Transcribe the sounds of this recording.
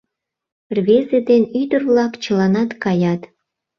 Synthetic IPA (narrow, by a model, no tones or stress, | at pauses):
rβezed̪enyd̪ərβlɑkt͡ɕəlɑnɑt̪kɑjɑt̪